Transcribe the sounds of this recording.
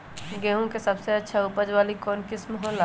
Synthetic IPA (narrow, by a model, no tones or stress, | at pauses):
ɡɛːɦõkesɐbseɐtːʃʰaʊpəd͡ʒʋaːlikɔːnkɪsmɔɦɔla